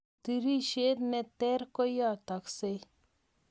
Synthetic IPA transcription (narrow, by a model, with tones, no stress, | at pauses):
t̪iɾi˦ʃe˦ɾnɛt̪ɛ˦ɾkɔ˦ja˦t̪a˨kse